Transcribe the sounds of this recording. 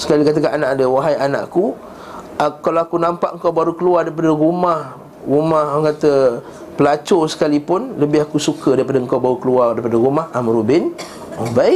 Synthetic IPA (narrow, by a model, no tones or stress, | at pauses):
sə̥kalikat̪̬əkananaʔadəwaɦajana̰ʔku | akalawakunãmpaʔŋkawbaɾukəluardaɾipadəɾumah | rumahkat̪ə | pəlat͡ʃosə̥kalipʊnləbɪhakusukədaɾipadəŋkawbaɾukəluardaɾipadəɾumahamɾubɪn | oba